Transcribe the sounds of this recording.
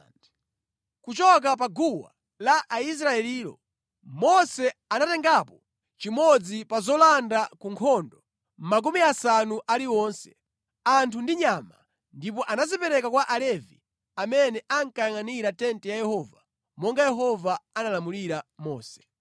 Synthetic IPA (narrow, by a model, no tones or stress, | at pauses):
kut͡ʃɔk̬ap̬aɡuwa̰ | laʔais̬ɾaɛliːlɔ̰ | mɔsɛanatɛŋɡapɔ | t͡ʃimɔd͡zipazɔlandakuŋkʰɔndɔ | m̩mak̬umiasanuʔaliwɔnsɛ̥ | antʰundiɲama̰ | ndipɔʔanazipɛɾɛkakwaʔalɛvḭ | amɛnɛʔaŋkajaŋaniɾatɛntɛjajɛhɔːva | mɔŋɡajɛɦɔvaanalamuliɾamɔːsɛ̥